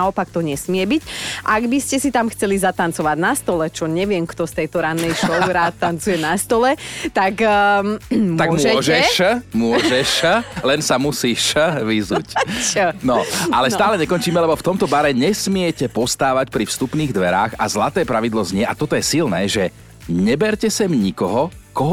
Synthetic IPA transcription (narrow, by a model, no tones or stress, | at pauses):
aɔpakt̪ɔɲɛsmɪɛbicʔaɡbiscɛsit̪amxt͡sɛlizat̪ant͡sɔʋaɟnast̪ɔlɛt͡ʃɔɲɛʋɪɛmkt̪ɔst̪ɛjt̪ɔɾanːɛjʃɔʊɾat̪ːant͡sujɛnast̪ɔlɛt̪ak | mt̪aɡmɛɔʒɛʃmʊɔɛʃlɛnsamusiːʃʋizuːc | nɔalɛst̪aːlɛɲɛkɔnt͡ʃiːmɛlɛbɔft̪ɔmt̪ɔbaɾɛɲɛsmɪɛcɛpɔst̪aːʋacpɾifst̪upniːɣd̪ʋɛɾa̰ːxa̰zlat̪ɛːpɾaʋid̪lɔzɲɪɛʔat̪ɔt̪ɔjɛsilnɛ̰ːʒɛ | ɲɛbɛɾcɛsɛmɲikɔɦɔkɔɦ